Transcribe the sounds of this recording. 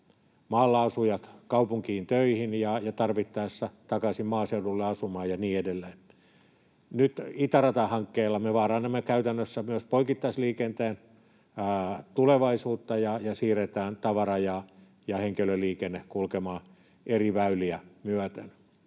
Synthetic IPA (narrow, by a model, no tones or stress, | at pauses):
mɑːlːɑːsujɑt̪kɑupuŋkiːnt̪øihinjɑjɑt̪ɑrʋit̪ːɑesːɑt̪ɑkɑsimmɑːseudulːeɑsumɑːjɑniːedelːeːn | nyt̪it̪ɑrɑt̪ɑhɑŋkːeːlːɑmeʋɑːrɑːnemːekæyt̪ænːøsːæmyøspoikit̪ːɑisliːkent̪eːnː | t̪uleʋɑisuːt̪ːɑjɑjɑsiːret̪æːnt̪ɑʋɑrɑjɑ | jɑheŋkeløliːkenːekulkemɑː | ʔeriʋæyliæmyæt̪ḛn